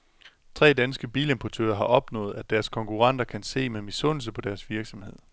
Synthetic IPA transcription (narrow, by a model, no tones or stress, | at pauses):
t͡sʰʁɛ̰ːd̥ænsɡ̥əb̥ḭːle̝mpʰɒt͡sʰø̰ːɐɦɑ̈ʔɒ̽b̥nɔ̰̽ːð̩ˠæd̥æɐskʰɒ̽ŋkʰuʁɑn̰d̥ɐkʰænse̝̰ːmemisɔ̽n̰l̩səpʰɒ̽d̥æɐsʋiɐɡ̥sɒ̽mhe̝ð̞̰ˠ